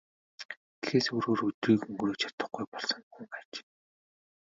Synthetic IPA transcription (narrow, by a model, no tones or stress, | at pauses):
t̪xeːsoːɾoːɾɵt̪riːkɵŋɡroːt͡ɕʰḁt̪ə̆χɡujpɔɮsɞ̆ŋxuŋɢæːt͡ɕ